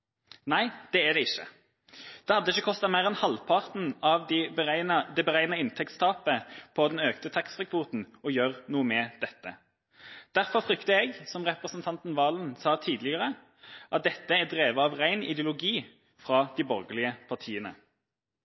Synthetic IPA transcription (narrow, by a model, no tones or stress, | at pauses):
næɪd̪̥ɛæd̪ɛɪçːə̰ | d̪̥ɛhɑd̪ːəɪçːəkʰɔst̪ɑt̪mæɪʁɛnhɑlpʰɑʁt̪n̩ɑʋd̪ɪbəæɪnd̪ɛbəʁæɪnɑɪnt̪ʰɛk̚t̪st̪ʰɑːpəpʰɔd̪ɛnøːkt̪ət̪ʰɑksʁɛkʰʋut̪n̩ɔjøːʁnuːəmɛd̪ɛt̪ːə | d̪̥æʁfɔʁfʁʏkt̪əɛɡsɔmʁɛpʁəsn̩t̪ʰɑnt̪n̩ʋɑːlənsɑːt̪ʰiːd̪lɪəʁə | ʔɑt̪̚d̪ɛt̪ːəæd̪ʁeːʋəɑʋʁæɪnɪ̰d̪jʊlʊɡiː | fʁɑːd̪iːbɔʁɡəlɪəpʰɑʁt̪ʰiːənə̰